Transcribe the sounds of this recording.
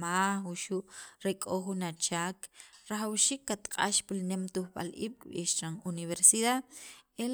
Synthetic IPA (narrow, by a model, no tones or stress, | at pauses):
mahuʃuʔɾekʼoχunat͡ʃaːkɾaχawʃiːkːat̪qʼa̰ʃpilnemt̪uχɓa̰lʔḭːɓkɓḭːʃɾanuniβeɾsiðaðel